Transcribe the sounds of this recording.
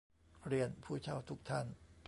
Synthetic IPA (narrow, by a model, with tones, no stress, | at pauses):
ɾi˧ənpʰuː˥˩t͡ɕʰa˥˩wt̪ʰu˦˥k̚t̪ʰa˥˩np